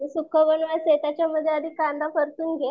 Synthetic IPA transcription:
isukʰːəʋənʋaset̪at͡ɕjaməd̪ʱːjead̪ʱiːkːand̪ʱafəɾt̪uːnɡʱe

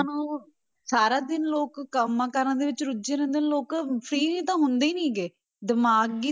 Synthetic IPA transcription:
nũː | saːɾaːd̪ɪnloːkːəmːãːkəɾãːd̪eːʋɪt͡ʃɾʊd͡ʒẽːɾɛ̃ːnd̪eːnːloːkpʰɾiːnĩːt̪ãːɦʊnd̪eːnĩːɡeː | d̪əmaːɡi

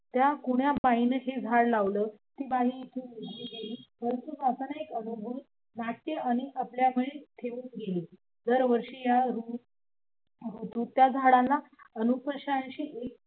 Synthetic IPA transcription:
t̪jakuɳjabainəɦed͡zʱaɽlaʋləːt̪iːbaɦiːt̪ʰuːnitiːɡeliːpəɾənt̪ud͡zasənaekənubʱuːd̪ | mak̪jəaɽ̃iʔapljamiɭet̪ʰeuːnɡeli | d͡zəɾʋəɾʂiːjaɾu | ɦot̪ũːt̪jad͡zʱaɽãlːaənupəɕãnɕiːʔek̚

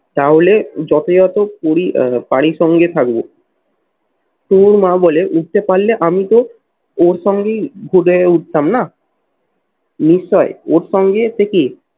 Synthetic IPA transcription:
t̪aɦoled͡ʑɔt̪ojɔt̪opoɾipaɽ̃iʃɔŋɡet̪ʰak̚bo | ʈuɾmãboleʔuʈ̚t̪epaɾleʔamit̪o | oɾʃɔŋɡeɡʱuɖeeuʈ̚t̪amna | niʃːɔeoɾʃɔŋɡet̪eki

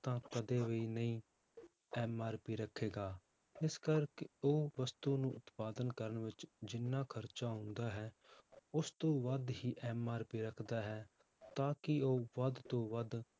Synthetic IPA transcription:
t̪ãːkəd̪eːʋeiːnəĩː | ɛːmaːɾpiːɾəkʰːeːɡaː | ɪskəɾkoːʋəst̪uːnũːʔʊt̪paːd̪ənkəɾəɳʋɪt͡ʃd͡ʒɪnːãːkʰəɾt͡ʃaːɦʊ̃nd̪aːɦɛːʊst̪õːʋəd̪ɦiːʔɛːmaːɾpiːɾəkʰd̪aːɦɛː | t̪ãːkɪoːʋəd̪t̪õːʋəd̪

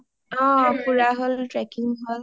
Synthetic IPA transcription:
ɔ̃puɹaɦɔltɹɛkiŋɦol

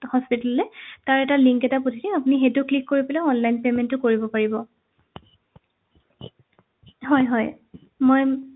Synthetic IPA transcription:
hɔspitallɛtaɹɛtaliŋkɛtapotʰidiapʊnixetʊklikːoɹipɛlɛɔnlajnpemɛntʊkoɹibɔpaɹibɔ | ɦɔjɦɔj | moj

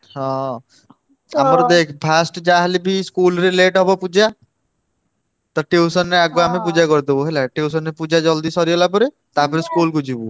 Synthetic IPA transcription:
hɔ̃ː | aməɾd̪eːkʰpʰaːsʈd͡ʒaːɦlibʱiskuːlɾeleːʈɦɔbopud͡ʒa | t̪ɔʈeːusənːeaɡwamẽp̬ud͡ʒakəɾt̪eoɦelɛʈeːs̬ənːepud͡ʒad͡ʒɔld̪isɔɾijɔlap̬əɾe | t̪apʰɪɾskuːlkud͡ʒibu

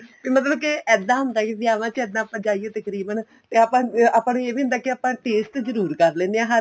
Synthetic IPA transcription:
piːmət̪ləbkɪʔɛːd̪ãːɦʊ̃nd̪aːkɪd̪ɪjaːʋãːt͡ʃɛːd̪ãːpəd͡ʒaːiːeːt̪əkɾiːbən | t̪eːaːpãːaːpãːnueːʋiːɦʊ̃nd̪aːkɪaːpãːʈeːst̪zəɾuːɾkəɾlẽːnd̪eãːɦa

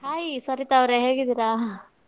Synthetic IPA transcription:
ɦaːjisɐɾit̪ɐʋɾeɦeːɡid̪iːɾaː

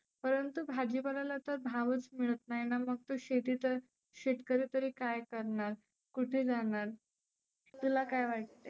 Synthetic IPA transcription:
pəɾənt̪ubʱad͡ʑibalalat̪əɾbʱaʋət͡smiɭət̪naɦjnaməɡ̚t̪oɕet̪iːt̪əɾ | ɕeʈkəɾiːt̪əɾiːkajkəɾɳaɾ | kuʈʰeːd͡zaɳaɾ | t̪ulakajʋaʈ̚t̪e

